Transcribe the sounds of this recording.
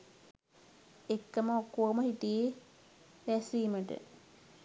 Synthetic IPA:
ekːəməokːoːməhiʈije | ʋæsiːməʈə̰

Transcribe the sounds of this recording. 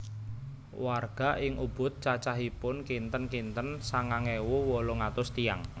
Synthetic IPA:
warɡ̥a̤ʔɪŋʔub̥ʊ̤t̪̚t͡ʃat͡ʃaɦipʊnkint̪ənkint̪ənsaŋaŋewuwoloŋat̪ʊst̪iaŋ

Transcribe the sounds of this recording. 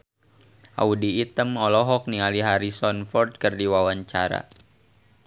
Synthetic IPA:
ʔa̰udiːt̪əmɔlɔɦɔk̚nialiɦaɾisɔnfɔrd̪̚kərdiwawaɲt͡ʃa̰ɾa̰

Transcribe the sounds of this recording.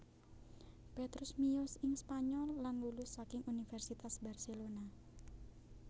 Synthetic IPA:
pet̪ɾʊsmijɔsɪŋspaɲɔlːanlulʊsːakɪŋʔunifɛrsit̪asbarselona

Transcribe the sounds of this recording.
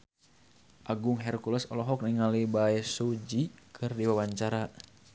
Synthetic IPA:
ʔaɡuŋɦɛrkulɛsɔlɔɦɔk̚niŋalibaɛsud͡ʒikʰɨrdiwawaɲt͡ʃaɾa

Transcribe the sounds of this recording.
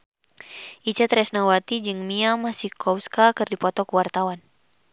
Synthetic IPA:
ʔit͡ʃɛt̪ɾɛsnawat̪id͡ʒɨŋmiamasihkʰɔskakɨrdipɔt̪ɔkuwart̪awan

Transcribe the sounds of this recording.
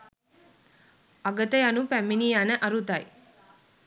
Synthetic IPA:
aɡət̪əjanupæmːinijanəʔaɾut̪aj

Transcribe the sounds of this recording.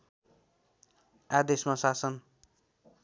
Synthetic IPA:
ad̪esmasasʌn

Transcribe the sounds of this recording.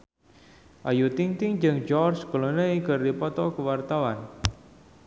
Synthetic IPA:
ʔajut̪iŋt̪ɪŋd͡ʒɨŋd͡ʒɔrskolonəikərdipɔt̪ɔkəwart̪awan

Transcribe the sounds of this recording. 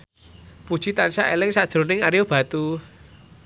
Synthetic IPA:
pud̥ʒ̥i̤t̪anisaʔelɪŋsad̥ʒ̥ɾo̤nɪŋaɾjob̥a̤t̪u

